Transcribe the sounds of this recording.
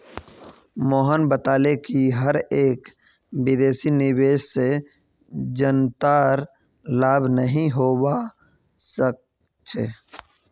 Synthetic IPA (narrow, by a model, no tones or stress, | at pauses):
moːɦənbət̪aːlekiɦəɾeːk | bɪd̪eːsinɪweːʃse | d͡ʒənt̪aːɾ | laːbʱnəɦĩɦoːba | sək̚ | t͡ʃʰḛː